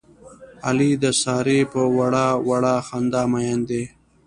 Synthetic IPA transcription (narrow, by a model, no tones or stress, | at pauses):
alid̪əsɑːɾepəwaɽawaɽaxand̪aːmajand̪e